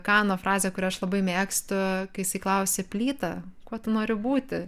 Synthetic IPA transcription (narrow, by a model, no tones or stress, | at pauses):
kɑːnoːfɾɑːzʲeːkʊɾʲɛːɐʃlˠɐbɐɪmʲeːksʲt̪ʊkɐɪjɪsɐɪklˠɐʊsʲɪpʲlʲiːt̪ɐkuɔt̪ʊnoːɾʲʊbuːt̪ʲɪ